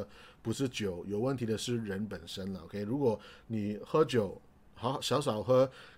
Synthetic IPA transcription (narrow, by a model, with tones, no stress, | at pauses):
əpu˨˩ʂɻ̩˥˩t͡ɕjo˨˩ʊjo˨˩ʊwə˥˩nt̪ʰi˧˥d̪ə˧ʂɻ̩˥˩ɻə˧˥npə˨˩nʂə˥nlə˨o̰˧ʊkʰe˥ɪɻu˧˥kwɔ˨˩ni˨˩xɤ˥t͡ɕjo˨˩ʊ | xɑ˧˥˨ɕjɑ˧˥ʊʂ̬ɑ˨˩ʊxɤ˥